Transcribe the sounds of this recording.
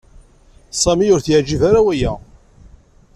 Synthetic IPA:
sˤɑmiʊɾθʕd͡ʒivaɾawæjæ

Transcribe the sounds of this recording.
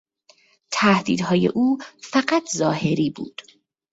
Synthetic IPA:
t̪ʰæhd̪ḭːd̪ɦɒːjḛʔuːfæɢæt̪ʰzɒːhe̞ɾiːbṵːd̪̥

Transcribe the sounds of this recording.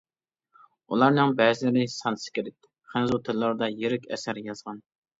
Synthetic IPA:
ṵlˠɑɾnɨŋbɛːzɪlɪɾɪsɑnsɨ̥kʲʰeɾɪtt̪̚ʰːɪ | χænzut̪ʰɪlːˠɑɾd̪ɑjeɾɪkʲɛ̰sæɾjɑzʁɑn

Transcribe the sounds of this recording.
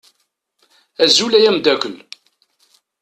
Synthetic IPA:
æzulæjæmd̪ækʷəl

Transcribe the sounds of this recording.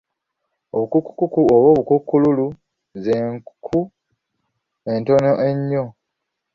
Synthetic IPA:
oβukukːu̥kːukuoβoːβukukːululu | zeŋkkʰu | e̞nto̞noʔe̞ɲːo

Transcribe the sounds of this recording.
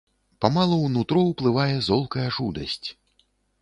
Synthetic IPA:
pamalˠɐwnut̪ɾɔwplˠɨvajɛzɔlˠkɐjɐʐud̪ɐsʲt͡sʲ

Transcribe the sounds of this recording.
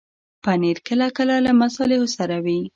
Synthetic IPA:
paneɾkəlakəlalamasɑlɪhosaɾawi

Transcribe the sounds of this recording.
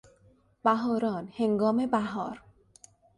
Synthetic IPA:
baɦɔɾɔnheŋɡɔmebaɦɔɾ

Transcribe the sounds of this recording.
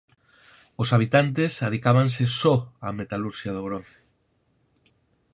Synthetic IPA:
osaβ̞it̪ant̪esaðikaβansesɔamet̪aluɾʃjaðoɣ̞ɾon̟θe̥

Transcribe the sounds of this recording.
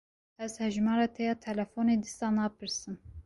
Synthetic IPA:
ɛzhɛʒmɑːɾɑːt̪ʰɛjɑːt̪ʰɛlɛfoneːd̪isɑːnɑːpʰɨɾsɨn

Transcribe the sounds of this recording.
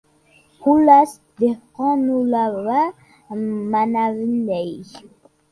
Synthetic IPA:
kulas | d̪eqɔ̃nulava | manavindɛj

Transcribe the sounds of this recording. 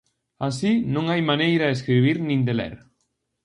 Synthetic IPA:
asinõŋajmanejɾaes̬kɾiβ̞iɾnĩnd̪elɛ̰ɾ

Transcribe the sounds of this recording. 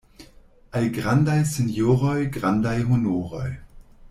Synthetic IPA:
ʔajɡʁandajsenjoːʁɔjɡʁandajɦonoːʁɔj

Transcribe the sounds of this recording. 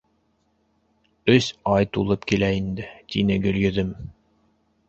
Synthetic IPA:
ɵsɑjt̪ulˠɤpkilæind̪ɘt̪inɘɡɵ̆ljɵ̆ðɘm

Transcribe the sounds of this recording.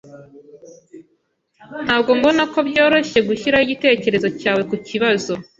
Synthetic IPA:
n̥haːb̚ɡo̞ŋɡo̞nako̞bjo̞ːɾo̞ʃe̞ɡuçiɾahiɟite̞ːce̞ɾe̞zo̞caːwe̞kuciβazo̞

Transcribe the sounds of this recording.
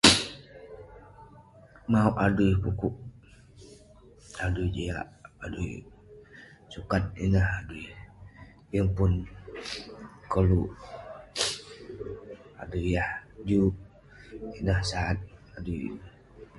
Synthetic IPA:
mauʔadujpukuʔ | aduid͡ʒia̰ʔa̰duj | sukat̪̚ḭnəhaduj | jəŋpun | kəluʔ | a̰dujahd͡ʒu | inəhsaat̪̚aduj

